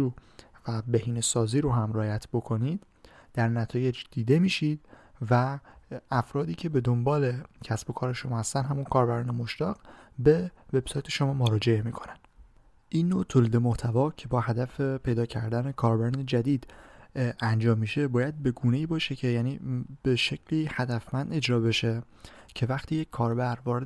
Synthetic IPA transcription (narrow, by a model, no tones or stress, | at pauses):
u | væbehiːnesɒːziːɾoɦæmrɒːjæt̪ʰbo̞kʰo̞nid̪ | d̪̥æɾnæt̪ʰɒːje̞d͡ʒd̪̥iːd̪e̞miːʃid̪̥̚ | væː | fɾɒːd̪iːcʰe̞be̞d̪o̞mbɒːle̞cʰæsb̥o̞kʰɒːɾe̞ʃomɒːhæst̪ænd̪ɦæmunkʰɒːɾbæɾɒːne̞mo̞ʃt̪ɒːɣ̥be̞ve̞b̥sɒːjt̪ʰe̞ʃo̞mɒːmoɾɒːd͡ʒe̞e̞miːkʰonænd̥̪ | ʔinːot̪ʰoːliːd̪e̞mo̞ht̪ʰævɒːcʰe̞bɒːhæd̪æfepʰe̞jd̪ɒːcʰæ̰ɾd̪æne̞kʰɒːɾbæɾɒːned͡ʒæd̪iːd̪ | ænd͡ʒɒːmːiːʃe̞bɒːjæd̪̚be̞ɡuːne̞iːbɒːʃecʰe̞jæːnḭːb̥eʃe̞cʰliːhæd̪æfmænd̪e̞d͡ʒɾɒːbe̞ʃe̞ | cʰe̞væxt̪ʰiːjecʰkʰːɒːɾbæɾvɒːɾe